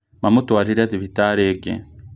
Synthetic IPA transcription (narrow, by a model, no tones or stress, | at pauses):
mamutwaːɾiɾaðiβitaɾeːɡḛ